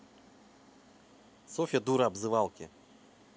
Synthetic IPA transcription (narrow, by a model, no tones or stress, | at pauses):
sɔfʲɐd̪uɾɐabzɨvalˠkʲɪ̰